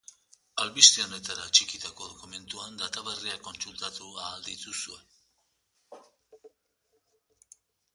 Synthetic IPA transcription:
alβist̪ionet̪aɾat͡ʃikit̪ako̞ðo̞kume̞nt̪uand̪at̪aβeriako̞nsult̪at̪uaːld̪it̪usue̞

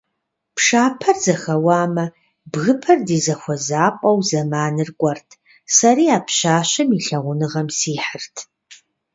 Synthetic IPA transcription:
pʰʂaːpʰɐrzɐxɐwaːmɐ | bɣɨpʰɐrdiːzɐxʷɔzaːpʷʼɐwzɐmaːnɨrɡʷʼɔrtʰ | sɐɾiːaːpʰɕaːɕɐmiɬɐʁʷʊnɨʁɐmsiːħərtʰ

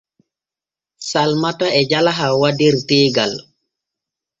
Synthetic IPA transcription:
salmataɛd͡ʒalaɦawadiɾtɛːɡal

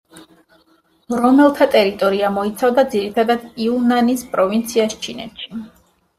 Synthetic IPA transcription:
ɾɔmɛlˠt̪ʰat̪ʼɛɾit̪ʼɔɾiamɔit̪sʰavd̪ad̪ziɾit̪ʰad̪ad̪̥iunanispʼɾɔvint̪sʰiast͡ʃʰinɛ̰t̪ʃi̥

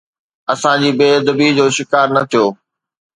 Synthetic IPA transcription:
ɐsãd͡ʑiːbeːd̪ɐbiːɦd͡ʑoːʃɪkaːɾnɐt̪ʰijoː

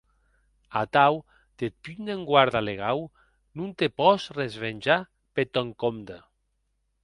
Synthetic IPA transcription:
at̪aw | d̪̥et̪̚pyneŋɡwaɾðaleɣaw | nunt̪epɔsrezβenʲd͡ʒa | pet̪ɔŋkomd̪a

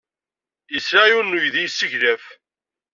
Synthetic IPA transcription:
əsɾajunːujðijsːəʝɾæf

